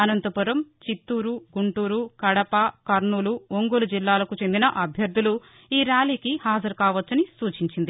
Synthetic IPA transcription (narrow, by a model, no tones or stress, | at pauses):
ɐnɐnt̪ɐpuɾɐmt͡ʃit̪ːuːɾuɡuɳʈuːɾukɐɽɐpɐkɐɾɳuːluoŋɡolud͡ʒilːaːlɐkut͡ʃe̞nd̪inɐʔɐbʱjɐɾd̪ʱulu | iːɾjaːliːkihaːd͡ʒɐɾkaːʋɐt͡ʃːɐnisuːt͡ʃiɲt͡ʃind̪i